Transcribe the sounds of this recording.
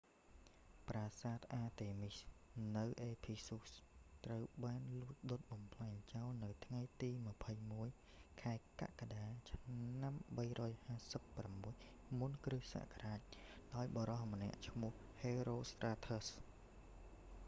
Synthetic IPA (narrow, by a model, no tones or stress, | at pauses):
praːsaːt̪̚ʰʔaːt̪eːmisnɨwʔeːpʰisust̪rəwɓaːnlʊət̪̚ɗot̪̚ɓɑmpʰlaɛɲt͡ɕawlnɨwt̪ʰŋajt̪iːmə̆pʰəjmuəj | kʰaɛka̰ʔkaɗaːt͡ɕʰnamɓəjrɔːjhaːsəpːramːuəj | munkrɨhsa̰ʔkʰaraːc̚ɗaɔjɓɑɾɑhmənɛ̆əʔt͡ɕʰmʊ̆əhheːɾoːst̪raːt̪ʰəs